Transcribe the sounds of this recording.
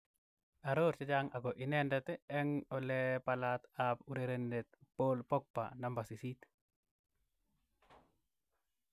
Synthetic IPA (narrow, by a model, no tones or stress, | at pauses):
aɾoɾt͡ʃad͡ʒaŋaɡɔʔinɛndɛt̪ɛɛŋɔlɛpalat̪apuɾeɾendet̪̚polpɔk̚pa̰nambasisit̪